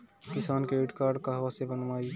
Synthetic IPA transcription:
kisaːnkeiʈkaɾɖkəɦbasebənmaj

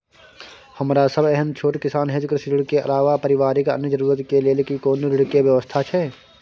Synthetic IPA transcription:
həmɾasəbɛɦənt͡ʃʰoːʈkɪsaːnɦed͡ʒkɾɪsɾɪɽkeʔɐ̰laːʋapəɾɪʋaːɾikə̰njəd͡ʒəɾuːɾət̪kelelkikoːnɾɪɽkeʋjəʋəst̪ʰat͡ʃʰɛː

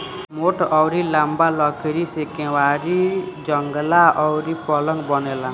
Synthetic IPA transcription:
moʈʌwɾilambalʌɡeɾisekewaɾid͡zʌŋɡlaʌwɾipɔlʌŋbʌnela

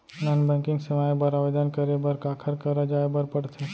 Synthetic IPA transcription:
nanbʱɛ̃ːkɪ̃ŋɡseʋaːebəɾaːʋed̪ənkəɾebəɾkaːkʰəɾkəɾad͡ʒaːebəɾpəɽt̪ʰe

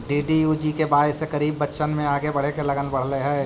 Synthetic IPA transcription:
ɖiːɖijud͡ʒikebaːsekəɾiːbːətːʃənmẽaːɡebɐɽ̤ekelɐɡənbɐɽ̤leɦɛ̃ː

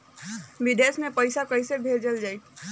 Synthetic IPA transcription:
biɖesmẽpəjsakəsebʱeld͡ʒəld͡ʒai

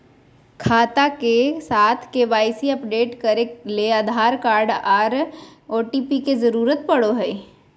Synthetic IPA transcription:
kʰaːt̪akesaːt̪ʰkeːʋaːɪsiɐpɖeːʈkɐɾelead̪ʱaːɾkaːɾɖaːɾoːʈipikezɐɾuːɾət̪̚pɐɽoɦɛ

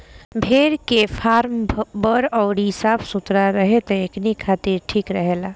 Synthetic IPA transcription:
bʱeːɾkefʰaːɾmbəɾɔːɾisaːbsʊt̪ɾaɾəɦet̪eeknikʰaːt̪iɾʈʰiːkɾəɦelaː

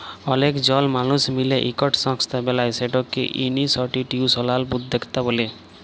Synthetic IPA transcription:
ɔnekd͡ʑɔlmanusmileʔikɔʈsɔŋst̪ʰabelajseʈokːḛʔinisɔʈiʈiusɔlalbud̪d̪ekʰt̪abole

